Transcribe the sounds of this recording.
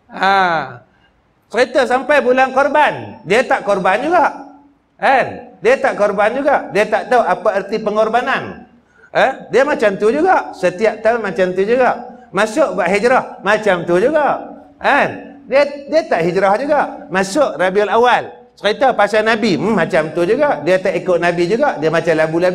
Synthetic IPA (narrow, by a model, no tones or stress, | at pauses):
a | t͡ʃəɾit̪asampajbulaŋkɔrbandiat̪aʔkɔrband͡ʒuɡaʔ | kandiat̪aʔkɔrband͡ʒuɡaʔdiat̪aʔt̪auʔapaərt̪ipəŋɔrbanan | ədiamat͡ʃamt̪ud͡ʒuɡaʔsət̪iap̚t̪aʊnmat͡ʃamt̪ud͡ʒuɡaʔmasʊʔbaʔɦid͡ʒɾɔhmat͡ʃamt̪ud͡ʒuɡaʔ | an | diadiat̪aʔhid͡ʒɾɔhd͡ʒuɡaʔmasʊʔrabialawal | səʁit̪apasanabimmat͡ʃamt̪ud͡ʒuɡaʔdiat̪aʔikʊʔnabid͡ʒuɡaʔdiamat͡ʃamlabulabi